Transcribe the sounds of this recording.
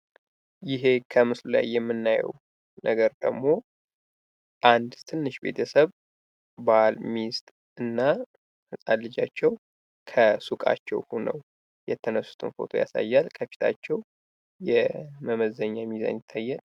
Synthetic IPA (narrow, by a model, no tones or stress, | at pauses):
jɪɦe̞kʰəmɨslula̰jːɛmːɨnːajɛ̰w | nəɡəɾd̪ə̰ɡmːo̞ | ʔand̪t̪ʰɨnːɨʃbe̞̰t̪ʰəsəβ | balmist̪ʼ | ɨnːa | ɨsʼalːɨd͡ʒat͡ʃːɛw | kʰəsukʼa̰t͡ʃːɛ̰whunə̰w | jɛt̪ʰːənəsːu̥t̪ʰɨnfo̞̰t̪ʰo̰ja̰sa̰jːalkʰəfi̥t̪ʰa̰t͡ʃːɛw | jɛməməzəɲːamiza̰nɪt̪ʰːajːɛn